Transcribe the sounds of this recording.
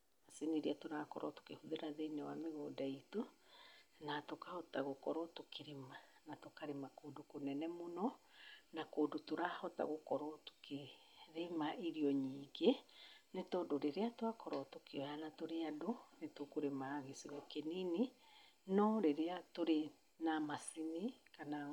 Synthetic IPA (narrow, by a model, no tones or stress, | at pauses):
asiniɾiatoɾakɔ̰ɾɔ̰to̥kehuðeɾaðeinɛwameɣoːdaitu | natokahɔtaɣokɔɾɔtokʰeɾemanatokaɾemakoːdokonɛnɛmonɔnakoːdotoɾahɔta̰ɣokɔɾɔto̥keɾemaʔiɾiɔɲiːɡenetodoɾeɾeatwakɔɾɔtokiɔjanatoɾeadonetokoɾemaːɣesiɣɔkenininɔɾeɾeatoɾe | namasinikana